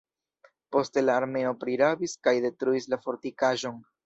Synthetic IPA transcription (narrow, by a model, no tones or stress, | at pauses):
po̞ste̞laːɾme̞o̞pɾiɾabiskajde̞tɾuislafo̞ɾtikaʒo̞n